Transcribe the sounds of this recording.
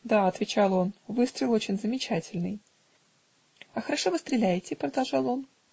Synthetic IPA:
d̪aɐt̪vʲɪt͡ɕalˠo̞nvɨst̪ɾʲɪlˠo̞t͡ɕɪnʲzəmʲɪt͡ɕætʲɪlʲnɨj | ɐxəɾɐʂo̞vɨst̪ɾʲɪlʲæjɪtʲɪpɾəd̪ɐlˠʐɑlˠo̞n

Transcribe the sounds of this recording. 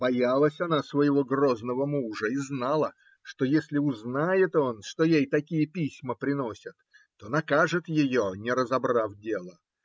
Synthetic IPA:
b̥ɐjalˠəsʲɐnasvəjɪvo̞ɡro̞znəvəmuʐəiznalˠə | ʂt̪o̞jesʲlʲɪʊznajɪt̪o̞nʂt̪ojejt̪ɐkʲijəpʲisʲməpɾʲɪno̞sʲət̪ː | onɐkaʐɨt̪jɪjonʲɪɾəzɐbrafdʲe̞lˠə

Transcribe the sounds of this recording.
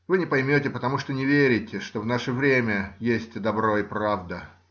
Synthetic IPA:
vɨnʲɪpɐjmʲotʲɪpət̪ɐmuʂt̪onʲɪvʲeɾʲɪtʲɪʂt̪o̞vn̪aʂəvɾʲemʲəjesʲtʲd̪ɐbɾo̞ɪpɾavd̪ə

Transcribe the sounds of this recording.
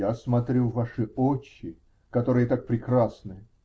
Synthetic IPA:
asmɐt̪ɾʲuvaʂɨot͡ɕːɪ | kɐt̪oɾɨjət̪ak̚pɾʲɪkɾasnɨ

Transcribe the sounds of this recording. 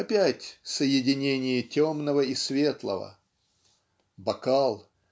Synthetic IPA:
ɐpʲætʲsəjɪdʲɪnʲenʲɪjətʲomnəvəisvʲe̞t̪lˠə̰və̰ | bɐkalˠ

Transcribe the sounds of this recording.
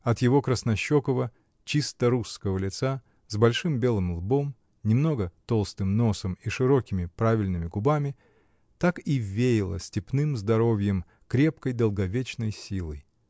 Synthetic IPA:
ɐt̪jɪvo̞kɾəsnɐɕːokəvə | t͡ɕist̪əɾusːkəvəlʲɪt̪sa | zbɐlʲʂɨmbʲe̞lˠɨmlˠbo̞m | nʲɪmno̞ɡət̪o̞lˠst̪ɨmno̞səmiʂɨɾo̞kʲɪmʲɪpɾavʲɪlʲnɨmʲɪɡʊbamʲɪ | t̪akivʲːejɪlˠə̰sʲtʲɪpnɨmzd̪ɐɾo̞vʲjɪm | kɾʲe̞pkəjd̪əlˠɡɐvʲet͡ɕnəjsʲilˠɨj

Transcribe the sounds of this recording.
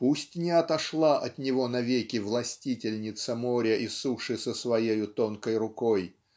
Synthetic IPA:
pusʲtʲnʲɪɐt̪ɐʂlˠaʔɐt̪nʲɪvo̞nɐvʲekʲɪvlˠɐsʲtʲitʲɪlʲnʲɪt̪səmoɾʲəʔisuʂɨsəsvɐjejʊt̪onkəjrʊkoj

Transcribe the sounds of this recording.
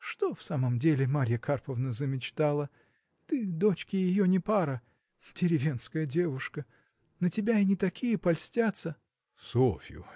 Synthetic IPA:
ʂt̪o̞fsaməmdʲelʲɪmaɾʲjəkʰarpəvnəzəmʲɪt͡ɕt̪alˠə | t̪ɨd̪o̞t͡ɕkʲɪjɪjonʲɪpaɾə | dʲɪɾʲɪvʲe̞nskəjədʲe̞vʊʂkə | nətʲɪbʲaɪnʲɪt̪ɐkʲijəpɐlʲsʲtʲat̪sə | sofʲɪjʊ̰

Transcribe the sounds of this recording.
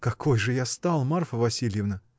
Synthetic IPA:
kɐkʰo̞jʐɨjast̪alˠmarfəvɐsʲilʲjɪvnə

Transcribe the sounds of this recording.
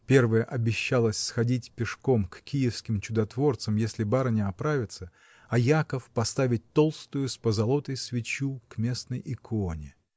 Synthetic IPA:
pʲe̞rvɨjəʔɐbʲɪɕːalˠəsʲsxɐdʲitʲpʲɪʂko̞mkkʲijɪfskʲɪmt͡ɕʊd̪ɐt̪vo̞rt̪səmjesʲlʲɪbaɾənʲɪɐpɾavʲɪt̪sə | ɐjakəfpɐst̪avʲɪt̚ʲt̪o̞lˠst̪ʊjʊspəzɐlˠo̞t̪əjsvʲɪt͡ɕukmʲe̞snəjʔɪkʰonʲɪ

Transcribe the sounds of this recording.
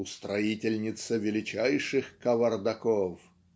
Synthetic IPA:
ʊst̪ɾɐitʲɪlʲnʲɪt̪səvʲɪlʲɪt͡ɕæjʂɨxkəvɐrd̪ɐkof

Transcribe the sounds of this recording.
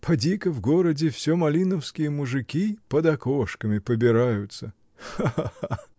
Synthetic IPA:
pʰɐdʲikəvɡoɾədʲɪfsʲomɐlʲinəfskʲɪjəmʊʐɨkʲipəd̪ɐkoʂkəmʲɪpəbʲɪɾajʊt̪sə | aaa

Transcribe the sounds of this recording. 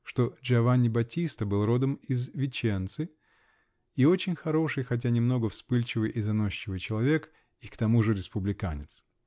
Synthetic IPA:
ʂt̪o̞d͡ʒɐvanʲɪbɐtʲist̪əbɨlˠro̞d̪əmizvʲɪt͡ɕent̪sɨ | io̞t͡ɕɪnʲxɐɾo̞ʂɨjxɐt̬ʲanʲɪmno̞ɡəfspɨlʲt͡ɕɪvɨjʔizɐno̞ɕːɪvɨjt͡ɕɪlˠɐvʲe̞k | ikt̪ɐmuʐɨɾʲɪspʊblʲɪkanʲɪt̪s

